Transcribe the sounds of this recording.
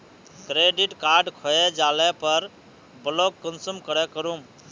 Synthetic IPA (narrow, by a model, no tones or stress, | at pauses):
kɾeɖiʈkaɾɖkʰɔjɛd͡ʒalɛpəɾ | blokːənsumkəɾɛkəɾum